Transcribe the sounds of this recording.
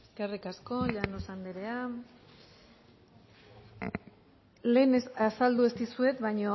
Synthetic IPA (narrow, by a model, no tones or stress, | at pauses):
eskerikasko̞ʎanosand̪eɾe̞a | le̞ːnesasald̪uest̪isue̞t̪βajɲo